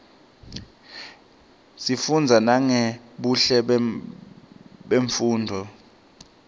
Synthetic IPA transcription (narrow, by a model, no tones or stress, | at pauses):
sifund͡zʱanaŋeɛɓuɬɛ | ɓeɱfuːndʱɔ